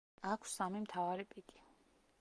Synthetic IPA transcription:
akʷʰsamimt̪ʰavaɾipʼikʼi̥

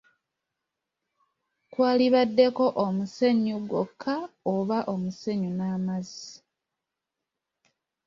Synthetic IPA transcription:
kwaːliβadːe̞ko̞ʔomuse̞ɲuɡokʰːaoβaʔo̞muse̞ɲunaːmazi

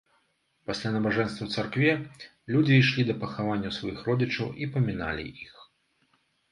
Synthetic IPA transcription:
pasʲlʲanɐbaʐɛnst̪vɐwt̪sarkvʲɛ | lʲud͡zʲiːʂlʲid̪ɐpɐxavanʲːɐwsvajixrɔd͡zʲit͡ʂɐwipɐmʲina̰lʲḭʔix

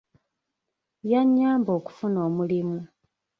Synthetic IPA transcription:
jaɲːaːmbo̞ːku̥funo̞ːmulimu

